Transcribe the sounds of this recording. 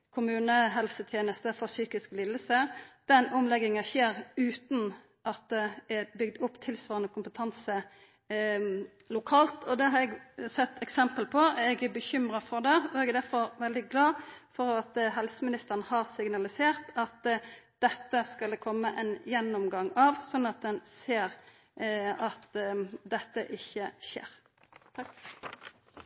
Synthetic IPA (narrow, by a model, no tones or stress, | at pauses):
kʰʊmʉːnəɦɛlsət̪ʰjeːnəst̪əfɔʁsyːkɪsklɪlːəsəd̪̥ɛnʊmlɛɡɪŋɑçeːʁʉːt̪n̩ | ʔɑt̪̚d̪ɛɛbʏɡd̪ʊpːt̪ʰɪlsʋɑːʁənɔkʰʊmpət̪ʰɑnsə | lʊkʰɑːlt̪ʰɔd̪ɛɦɑɾɛɡsɛt̪ːɛksɛmpəlpʰɔɛɡbəçʏmʁɑfɔʁd̪ɛɔɛɡɛd̪æɾfɔɾʋɛld̪ɪɡlɑːfɔʁɑt̪ɦɛlsəmɪnɪst̪əʁnəhɑʁsɪɡnɑlɪseːʁt̪ɑt̪d̪̥ɛt̪ːəskɑlkʰɔmːəʔɛnjɛnːɔmɡɑŋɑʋsɔnːɑt̪̚d̪ɛnseːʁ | ɑt̪d̪ɛt̪ːəʔɪçːəʃḛːɾ | t̪ʰɑk